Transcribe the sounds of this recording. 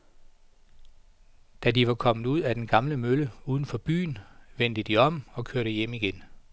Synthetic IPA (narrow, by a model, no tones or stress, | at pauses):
d̥ædiʋɑ̈kʰɒ̽m̰ð̩ˠuð̰ˠæd̥enɡ̥ɑ̈mləmøləuːð̞ˠn̩fɒ̽b̥y̰ːnʋen̰d̥əd̥iɒ̽m̰ɒ̽kʰøɐ̰ɾ̥əjemiɡ̥en